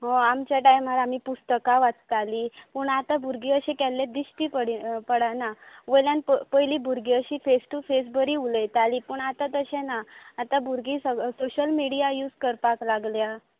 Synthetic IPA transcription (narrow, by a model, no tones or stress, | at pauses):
ɦɔ̃amt͡ɕjaʈajm̤ːaɾamipust̪əkaʋat͡st̪alipuɳat̪abʱuɾɡiəɕɛ̃kɛlːẽd̪iɕʈipəɽpəɽanaʋəjljanpəpəjliːbʱuɾɡiəɕiːfesʈufes̬bəɾiuləjt̪aliːpuɳat̪at̪əɕɛ̃naːt̪abʱuɾɡiːsəsoɕəlmiɽijajuːd͡zkəɾpaklaɡlja